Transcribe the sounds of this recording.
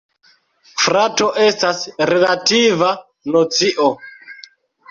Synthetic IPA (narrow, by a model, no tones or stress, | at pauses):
fɾato̞ʔe̞stasɾe̞lativa | not͡siʔo